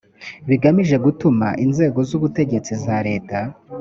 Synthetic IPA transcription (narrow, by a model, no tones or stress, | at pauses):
βiɡamiʒe̞ɡutuma̰ʔinze̞ːɡo̞zuβute̞ɟe̞t͡sizaɾe̞ːta